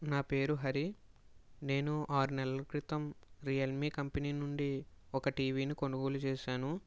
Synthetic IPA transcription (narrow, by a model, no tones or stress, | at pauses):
naːpe̞ːɾuɦɐɾi | ne̞ːnuʔaːɾunɛlɐukɾit̪ɐmɾijɐlmiːkɐmpɐniːnuɳɖiɔkɐʈiːʋiːnikoɳɖuɡo̞ːlut͡ʃɛːʃaːnu